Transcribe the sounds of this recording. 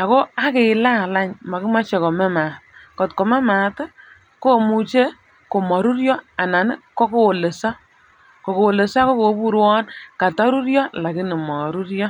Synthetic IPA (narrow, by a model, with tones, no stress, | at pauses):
a˨ko˦a˦ke˨ɪ˨la˦˨la˦ɲma˨kɪ˦ma˦t͡ʃɛ˨kɔ˨mɛ˦ma˨kɔ˨tkɔ˨mɛ˦ma˨tɛ˦ | ko˦˨mu˨t͡ʃe˦ | ko˨mɔ˨ɾu˦ɾjɔ˦a˨na˨n˦kɔ˦ko˦wo˨le˨sa˦ | kɔ˨ko˨wo˨le˨sa˦ko˦ko˨˦pu˦ɾwɔ˦nka˨ta˦ɾu˦ɾjɔ˦la˨kɪ˦nɪ˨mɔ˨ɾu˦ɾjɔ˦